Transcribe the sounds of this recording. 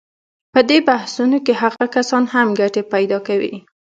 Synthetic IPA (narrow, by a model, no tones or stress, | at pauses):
pəd̪ebahsunokeɦaɣakasɑnhamɡaʈepajd̪ɑkawḭ